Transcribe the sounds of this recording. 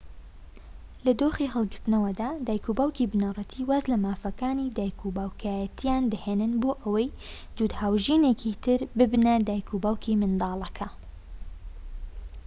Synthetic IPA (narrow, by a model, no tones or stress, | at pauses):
lɐd̪oːχiɦəlˠɡɪɾt̪ɨnɐwɐd̪aːd̪aːjkʰubaːwkibɨnarˤɐt̪ʰiwazlɐmaːfɐkaːnid̪aːjkʰubaːwkʰaːjɐt̪ʰijaːnd̪ɐheːnɨnboːʔɐwɐj | d̪̥uːd̪haːwʒiːnekʰit̪ʰɪɾbɨbnɐd̪aːjkʰubaːwkʰimɨnd̪ɑːlˠɐkʰɐ